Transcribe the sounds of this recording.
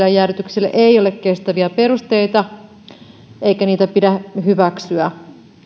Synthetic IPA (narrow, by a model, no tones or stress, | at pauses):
læjæryt̪ykselːæ̰ʔeiolekkest̪æʋiæpe̞rust̪eit̪ɑ | eikæniːt̪æpidæhyʋæksyæ